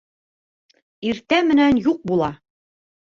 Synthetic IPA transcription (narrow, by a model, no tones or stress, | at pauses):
iɾt̪æmɘ̆nænjuq̚bulˠɑ